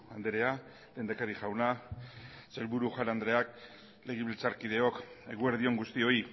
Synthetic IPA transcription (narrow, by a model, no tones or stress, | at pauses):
and̪eɾe̞a | le̞nd̪akaɾiʝawna | selβuɾuxanand̪ɾe̞ak | le̞ɣ̞iβilt͡saɾkið̞e̞o̞ke̞ɣue̞ɾð̞io̞ŋɡust̪io̞i